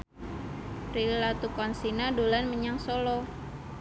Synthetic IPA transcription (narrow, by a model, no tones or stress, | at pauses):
rilat̪ukɔnsinadolanməɲaŋsolɔ